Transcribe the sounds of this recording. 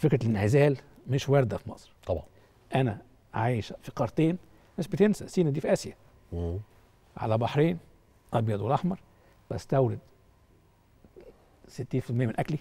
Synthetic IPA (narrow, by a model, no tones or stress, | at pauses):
fekɾælenʕezæːl | meʃwæɾd̪æfimɑsˤɾt̪ɑbɑ | ʔænæ | ʕaːjeʃfiqɑɾˤt̪eːn | meʃbet̪ensæ̰siːnæd̪iːfʔæsjæ | ʕa̰læbɑħɾeːn | ʔɑbjɑd̪welʔɑħmɑɾˤ | bæst̪æwɾed̪ | set̪ːiːnfilmejːæmenʔækli